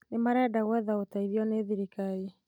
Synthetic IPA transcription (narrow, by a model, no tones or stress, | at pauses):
nemaɾɛdaɣwɛðaotaiðiɔneðiɾikaje